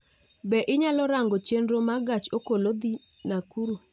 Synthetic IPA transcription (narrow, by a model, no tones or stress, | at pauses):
bɛʔɪɲalɔɾaŋɡɔt͡ʃendɾomaɡat͡ʃokolod̪i | nakuɾo